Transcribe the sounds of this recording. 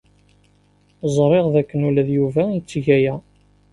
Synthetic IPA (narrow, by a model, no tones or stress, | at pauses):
zˤɾˤeʁðækːənulæðjuvænt͡sːʝæjæ